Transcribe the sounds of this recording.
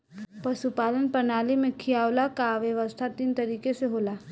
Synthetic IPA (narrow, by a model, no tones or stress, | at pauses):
pɐʃupaːlənpənaːlimẽkʰijaːwlakaʋjəʋəst̪ʰat̪iːnt̪ɐɾiːkeseɦoːlaː